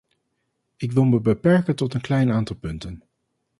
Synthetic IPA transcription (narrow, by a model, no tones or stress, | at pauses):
ɪkʋɪlˠməbəpɛɹkəntɔtənklɛjnaːntɑlˠpɵntən